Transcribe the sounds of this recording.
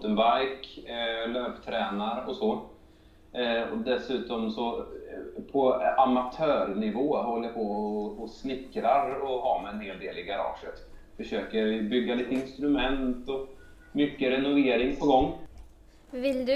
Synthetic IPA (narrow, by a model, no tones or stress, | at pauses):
t̪ənbaɾjkløːpt̪ʰɾɛːnaɾɔsɔ | ɔ̰d̪ɛsʉ̟ːt̪ɔmsɔ | pʰɔamat̪ʰøːɾnɪvoːɦɔlːəjapʰɔɔsnɪkːɾaɾɔɦɑːmɛɛnheːld̪eːlɪɡaɾɑ̰ːʂət̪fœʂøːkəɾvɪbʏɡːaliːt̪əɪnst̪ɾɵmɛnt̪ɔ | mʏkːəɾɛnʊveːɾɪŋpʰɔɡɔŋː | vɪld̪